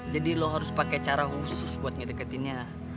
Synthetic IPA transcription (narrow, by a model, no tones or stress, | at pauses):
d͡ʒadiloɦaɾʊspakɛt͡ʃaɾahusʊsbuat̪̚ɲadəkət̪inɲa